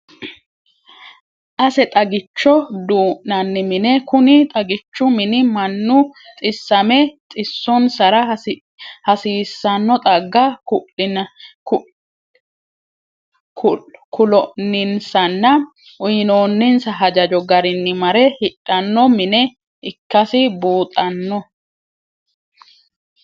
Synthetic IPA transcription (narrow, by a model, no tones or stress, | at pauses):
ʔɐsɛt̪ʼɐɡɪt͡ʃːɔd̪uːʔnɐnːɪmɪnɛkʊnɪt̪ʼɐɡɪt͡ʃːʊmɪnɪmɐnːʊt̪ʼɪsːɐmɛt͡sʼɪsːɔnsɐɾɐ | hɐsiːsːɐnːɔt̪ʼɐɡːɐkʊʔ | kʊkʊlɔnːɪnsɐnːɐ | ʔʊjɪnoːnːɪnsɐɦɐd͡ʒɐd͡ʒɔɡɐɾɪnːɪmɐɾɛhɪᶑʼɐnːɔmɪnɛ | ɪkːɐsɪbuːt̪ʼɐnːɔ